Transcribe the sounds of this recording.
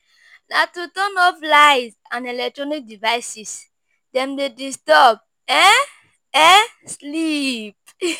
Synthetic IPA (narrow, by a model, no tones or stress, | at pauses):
natutɔnɔflaɪz | ãnɛlɛk̚tɹɔnik̚divaɪsis | dɛ̃mdedistɔb̚ | ɛ | ɛ | slip̚